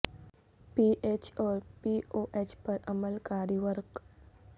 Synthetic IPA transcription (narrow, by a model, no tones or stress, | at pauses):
piːʔeːt͡ʃɔːɾpiːoːʔeːt͡ʃpɐɾɐməlkaːɾiʋəɾq